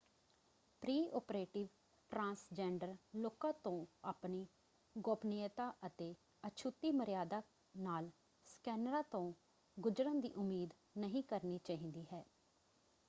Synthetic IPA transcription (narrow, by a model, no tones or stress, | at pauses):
pɾiːɔːpɾeːʈɪʋ | ʈɾãːnsd͡ʒɛːɳɖəɾloːkãːt̪õːaːpniː | ɡɔːpniət̪aːʔət̪eː | ət͡ʃʰut̪ːiːməɾɪjaːd̪aː | naːl | skɛːnɾãːt̪õː | ɡʊd͡ʒɾə̃ːnd̪ḭːʔʊmːiːd̪ | nəɦĩːkəɾniːt͡ʃaːɦĩːnd̪iːɦɛː